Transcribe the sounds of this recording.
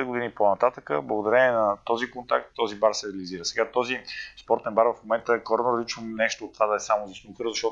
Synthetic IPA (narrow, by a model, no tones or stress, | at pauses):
ɛd̪ɡod̪iniponɐt̪at̪əkəblˠəɡod̪ɐɾɛnɛnɐt̪ɔzikont̪a̰k̚t̪ːɔzibaɾsɛɾɛɐliziɾəsɛɡat̪ɔzispɔɾt̪ɛnbaɾvəfmomɛnt̪əɛkɔɾnoɾəzlit͡ʃvəmnɛʃt̪oːt̪ːvad̪ɐɛsamozisnokəɾzɐʃt̪ɔt̪